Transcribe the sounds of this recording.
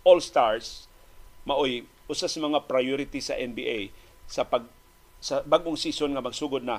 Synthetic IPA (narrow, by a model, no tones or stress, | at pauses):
ʔolst̪aɹs | mɐʔoj | ʔʊsasɐmɐŋapɾajoɾɪt̪isɐ̰ʔɛnbiʔej | sɐpɐɡ̚ | sɐbaɡoŋsisonŋɐmɐɡsuːɡod̪̚nɐ